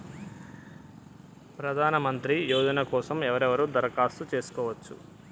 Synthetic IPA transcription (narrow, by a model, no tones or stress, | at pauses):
pɾɐd̪ʱaːnɐmɐnt̪ɾijoːd͡ʒ̪ɐnɐkɔːsɐmɛʋɐɾɛʋɐɾuːd̪ɐɾɐkaːst̪ut͡ʃe̞ːsu̥kɔːʋɐt͡ʃːṵ